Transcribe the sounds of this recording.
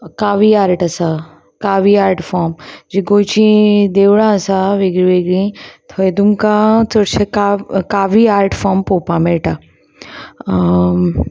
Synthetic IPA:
kaːʋiaːɾʈɐsa | kaːʋiaːɾʈfɔːmd͡ʒiɡoːt͡ʃĩd̪eːʋɽãsaʋeɡɾiʋeɡɽĩt̪ʰɔjd̪umkat͡səɾt͡ʃʰekakaːʋiaːɾʈfaːmpoːpameʈa

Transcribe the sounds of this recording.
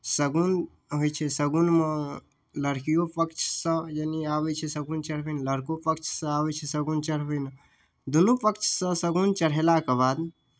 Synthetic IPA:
səɡun | ɦojt͡ʃʰɛsəɡunme | ləɾkijopəkt͡ʃʰsə̃jəniabɛt͡ʃʰɛsəɡunt͡ʃəɽ̤bɛnləɾkopəkt͡ʃʰsə̃abɛt͡ʃʰɛsəɡunt͡ʃəɽ̤bən | d̪unupəkt͡ʃʰsə̃səɡunt͡ʃəɽ̤ɦɛlakebad̪

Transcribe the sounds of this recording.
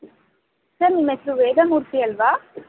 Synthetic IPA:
sɐɾnimesɾuʋeːd̪ɐmuːɾt̪ijɐlʋaː

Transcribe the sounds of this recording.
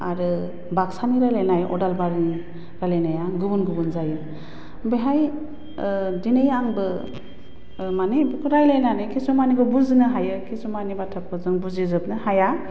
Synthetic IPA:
a̰ɾɯ | baksaniɾajlajnajʔɔ̰dalbaɾni | ɾalajnajaɡubunɡubunzajɯ | beɦaj | dinejaŋbɯ | manebkʰuɾajlajnanɯkʰesumaniɡɔbuznɯɦajɯkʰesumanibatʰap̚kʰɔzɯŋbuzizɯbnɯhaja

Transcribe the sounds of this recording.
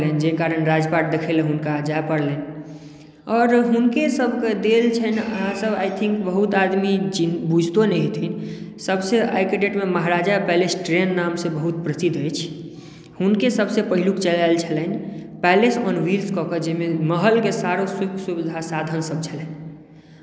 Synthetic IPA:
lend͡ʒekaɾənɾad͡ʒpaʈ̚d̪ekʰeleɦunkad͡ʒaepəɽlen | ɔːɾɦunkesəbʱked̪elt͡ʃʰənəɦãsəbajt̪ʰĩŋkbəɦut̪ad̪mid͡ʒibud͡ʒʱt̪onɛɦt̪ʰinsəbsea̰jkeɖeʈmeməɦɾad͡ʒapɛlesʈɾenːamsebəɦut̪̚pɾəsid̪ʱəjt͡ʃʰ | hunkesəbsepəɦilukt͡ʃəlalt͡ʃʰələnpɛlesɔnwilskɔked͡ʒɛmeməɦəlkesaɾosukʰsubid̪ʱasad̪ʱənsəb̚t͡ʃʰələn

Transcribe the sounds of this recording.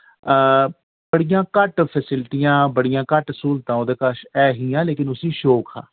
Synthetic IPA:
bəɽijãːkəʈpʰɛːsɪlʈ̪ijãːbəɽijãːkəʈsuːlt̪ãːoːd̪eːkəʃɛːɦiːãːleːkɪnʊsiːʃoːkʰa̰ː

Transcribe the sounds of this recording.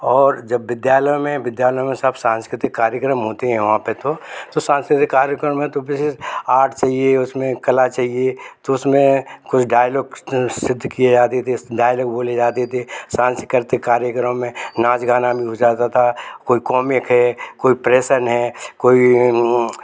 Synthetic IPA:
ɔːɾd͡ʒɐbːɪd̪jaːləjmẽʋɪd̪jaːləjmẽsəbsãːnskɾɪt̪ɪkːaːɾjəkɾəmɦoːt̪eɦɛ̃ʋɐɦãpet̪ot̪osãːnskɾɪt̪ɪkːaːɾjəkɾəmɛ̃t̪obɪsaːʈʰt͡ʃaːɦieʊsmẽkɐlat͡ʃaːɦiet̪oʊsmẽkʊt͡ʃʰɖaːjlɔːɡsɪd̪ʱːkied͡ʒaːt̪et̪ʰeɖaːjlɔːɡboːled͡ʒaːt̪et̪ʰesãːnsɪkəɾt̪ɪkːaːɾjəkɾəmmẽnaːd͡ʒɡaːnabʱiɦod͡ʒaːt̪at̪ʰakoːikɔːmɪkɦɛkoːipɾeːʃənɦɛːkoːi

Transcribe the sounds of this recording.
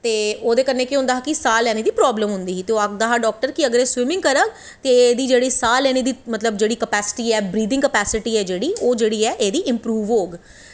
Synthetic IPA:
t̪eːoːd̪eːkəɾneːkiɦʊ̃nd̪aːɦaːkɪsaːlːɛːneːd̪iːpɾɔːbləmɦʊ̃nd̪iːiːt̪eoːak̚d̪aːɦaːɖɔːk̚ʈəɾkɪəɡəɾeːswɪmɪ̃ŋɡkəɾəɡ | t̪eːeːd̪iːd͡ʒeːɽiːsaːlɛːñiːd̪iːmət̪ləbd͡ʒeːɽiːkəpɛːsɪ̥ʈiːɛːbɾiːd̪ɪ̃ŋkəpɛːsɪʈiːɛːd͡ʒeːɽiːoːd͡ʒeːɽiːɛːʔeːd̪iːʔɪmpɾuːʋoːɡ

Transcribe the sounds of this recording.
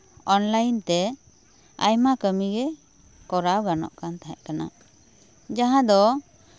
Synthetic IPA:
ɔnlajnt̪ɛ | a̰jmakəmiɡɛ | kɔɾaɡaɾnɔ̰ʔkant̪aɦɛʔkana̰ | d͡ʒaɦãd̪ɔ

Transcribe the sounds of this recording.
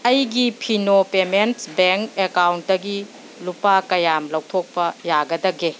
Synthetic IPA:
ɐjɡipʰinopementbeŋkekawnt̚dɐɡi | lupakɐjamlɐwtʰok̚pɐjaɡɐdɐɡe

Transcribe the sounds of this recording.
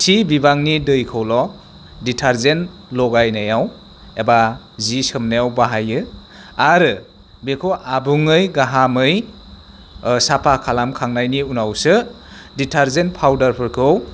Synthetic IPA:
tʰibibaŋnidɯjkʰɯwlɔ | ditʰaɾzenlɔɡajnajaw | eba | zisɯmnajawbaɦajɯ | aɾɯ | bekʰoʔabuŋɯjɡaɦamɯj | sapʰakʰalamkʰaŋnajniunawsɯ | ditʰaɾzenpʰawdaɾpʰɯɾkʰɯw

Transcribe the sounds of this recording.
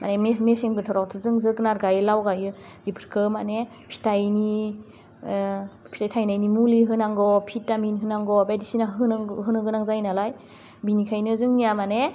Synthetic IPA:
ma̰nemeseŋbɯtʰɔɾawtʰɯzɯŋzɯknaɾɡajɯlawɡajɯdipʰɾ̥kʰɯmane | pʰi̥tajni | pʰitajtʰajnajnimuliɦɯnaŋɡɔpʰitːaminɦɯnaŋɡɔbajdisinaɦɯnɦɯnɯɡɯnaŋzajnalaj | binikʰajnɯzɯŋːijamane

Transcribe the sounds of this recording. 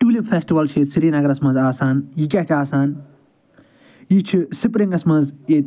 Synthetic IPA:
ʈuːlifʰeːsʈiʋɐlt͡ʃʰeːt̪siɾiːnɐɡɐɾɐsmɐ̃nzaːsaːnjikʲɐʈʰaːsaːn | jit͡ʃʰisipɾĩŋɡɐsmɐ̃nzeːt̪

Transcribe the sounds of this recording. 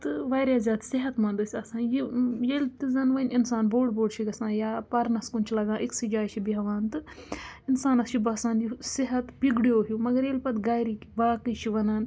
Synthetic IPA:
t̪ɨʋaːjɾjaːzʲaːd̪sɪɦɐt̪mɐ̃nd̪usʲɐsãːnjijelʲt̪ɨzɐnʋɐninsaːnboːɖboːɖʃʰiɡɐsãːjaːpɐɾnɐskunt͡ʃʰlɐɡãːʔiksid͡ʒaːjt͡ʃʰibiɦɐʋaːnt̪ɨ | insaːnɐst͡ʃʰibɐsãːnjisɪɦɐt̪biɡɽjoːɦumɐɡɐɾjelʲpɐt̪ɡaːjɾikibaːkɨjt͡ʃʰiʋɐnaːn

